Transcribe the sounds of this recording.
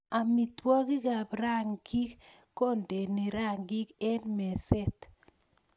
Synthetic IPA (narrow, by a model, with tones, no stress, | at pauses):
a˨mi˨twɔ˦ki˦ɡa˨bɾa˦ŋɡi˦kː | o˦˨nde˨ni˨ɾa˦˨ŋɡi˦kɛ˦nmɛ˨sɛ˦˨t̪